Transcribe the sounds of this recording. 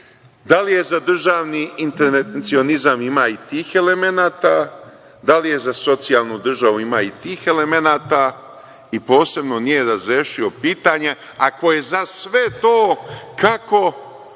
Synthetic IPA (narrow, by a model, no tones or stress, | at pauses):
d̪alije̞zad̪r̩ʒaːʋniint̪eɾsio̞nizamimaːit̪iːxe̞le̞me̞naːt̪aː | d̪alije̞zaso̞t̪sijalˠnud̪r̩ʒaʋuimaːit̪iːxe̞le̞menaːt̪a | ipo̞ːse̞bno̞nije̞ɾazɾeʃio̞piːt̪aːɲe | ako̞je̞zasʋe̞t̪oːkako̞